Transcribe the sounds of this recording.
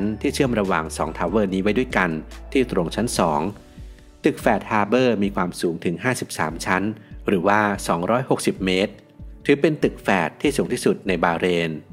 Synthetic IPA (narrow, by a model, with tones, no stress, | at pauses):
nt̪ʰiː˥˩t͡ɕʰɯ˥˩əmɾa˧wa̰˨˩ŋsɔː˩˦ŋt̪ʰaː˨˩˦wɤː˧˩niː˦˥wa˦˥jdu˥˩əjka˧nt̪ʰiː˥˩t̪ɾo˧ŋt͡ɕʰa˦˥nsɔː˩˦ŋ | t̪ɯ˨˩k̚fɛː˨˩t̪̚haː˧bɤː˥˩miː˧kʰwaː˧msuː˩˦ŋt̪ʰɯ˩˦ŋɦaː˥˩si˨˩p̚sa̰ː˩˦mt͡ɕʰa˦˥nɾɯː˩˦waː˥˩sɔː˩˦ŋɾɔː˦˥jho˨˩k̚si˨˩p̚meː˦˥t̪̚ʰː | ɯː˩˦pe˧nt̪ɯ˨˩k̚fɛː˨˩t̪ʰːiː˥˩suː˩˦ŋt̪iː˥˩su˨˩t̪̚na˧jbaː˧ɾeː˧n